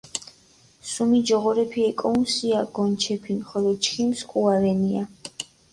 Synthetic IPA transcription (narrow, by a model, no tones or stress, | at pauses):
sumid͡ʒɔʁɔɾɛpʰiɛkʼɔunsiaɡɔnt͡ʃʰɛpʰinχɔlɔt͡ʃʰχimskʼuaɾɛnia